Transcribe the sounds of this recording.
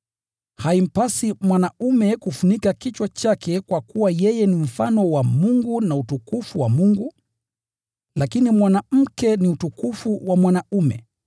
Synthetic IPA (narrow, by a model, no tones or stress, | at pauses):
haim̩pasimwanaumɛkufunikakit͡ʃwat͡ʃakʰɛkwakuwajɛjɛnim̩fanɔwamuŋɡunautukufuwamuŋɡu | lakinimwanam̩kɛniutukufuwamwanaumɛ̰